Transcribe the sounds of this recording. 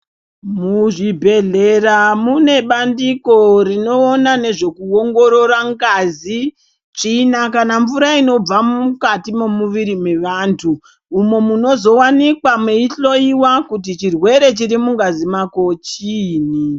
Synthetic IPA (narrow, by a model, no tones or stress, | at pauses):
muʐibʱe̞ɮe̞ramune̞ɓandiko̞rino̞ːnane̞ʐe̞kuoŋɡo̞ɾo̞ɾaŋɡazi | t͡ʂinakanaɱvuɾaino̞b͡vammukatimo̞muʋiɾime̞ʋantʰuː | mo̞muno̞zo̞wanikwameiɬo̞iwakut̬it͡ʃirwe̞ɾe̞t͡ʃiɾimuŋɡazimako̞t͡ʃini